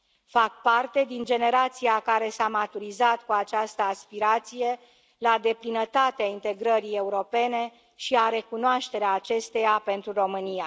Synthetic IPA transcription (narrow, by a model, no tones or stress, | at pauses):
fak̚part̪e̞d̪ind͡ʒe̞ne̞ɾat̪sijakaɾe̞samat̪uɾizat̪kuat͡ʃast̪əaspiɾat̪sije̞ | lad̪e̞plinət̪at̪eaint̪e̞ɡɾəɾije̞uɾo̞pe̞ne̞ | ʃiaɾe̞kunoaʃt̪e̞ɾeaːt͡ʃe̞st̪e̞jape̞nt̪ɾuro̞mɨnija